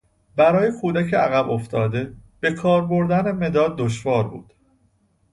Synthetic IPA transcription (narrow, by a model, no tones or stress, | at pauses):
bæɾɒːje̞kʰuːd̪æcʰeæɣæbo̞ft̪ɒːd̪e̞b̥e̞kʰɒːɾbo̞ɾd̪æne̞me̞d̪ɒːd̪̚ːoʃvɒːɾbṵːd̪̥